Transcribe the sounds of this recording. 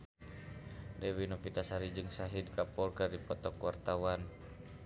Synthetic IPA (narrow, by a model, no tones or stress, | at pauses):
dɛwinɔfit̪asaɾid͡ʒɨŋsaɦid̚kapɔlkɨrdipɔt̪ɔkwart̪awan